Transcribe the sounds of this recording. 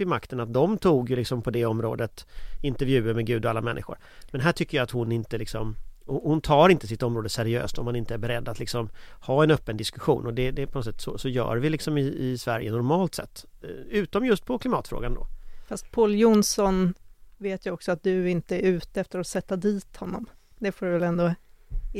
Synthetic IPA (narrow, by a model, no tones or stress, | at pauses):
ɪmakt̪ənat̪̚d̪ɔmt̪ʰuːɡjɵlɪksɔmpʰɔd̪ɛɔmɾo̰ːd̪ət̪ɪnt̪ɛɾvjʉ̟ːəɾmɛɡʉ̟ːd̪ɔalːamɛnːʔɪ̰ɧʊ̰ɾ | mɛnɦæːʈʰʏkːəjaat̪hʊnːɪnt̪əlɪksɔmɔhʊnt̪ʰɑːɾɪnt̪əsɪt̪ːɔmɾoːd̪əsæɾɪø̰ːst̪ɔmhanɪnt̪əæɾbɛɾɛd̪ːat̪lɪksɔmhɑːɛnœpːənd̪ɪskɵɧṵːnɔd̪ɛd̪ɛpʰɔnɔt̪sɛt̪sɔsɔjœ̰ːɾvɪlɪksɔmɪːsvæɾjənɔɾmɑːlt̪sɛ̰t̪ːʉ̟ːt̪ɔmjɵst̪̚pʰɔkʰlɪmɑːt̪fɾo̰ːɡand̪ɔ̰fast̪̚pʰoːljʊnsɔnveːt̪jəɔksɔat̪̚d̪ɵɪnt̪əɛɾʉ̟ːt̪əɛft̪əɾɔsɛt̪ːad̪iːt̪hɔnːɔ̰m | d̪ɛfoːɖvɛlɛnd̪o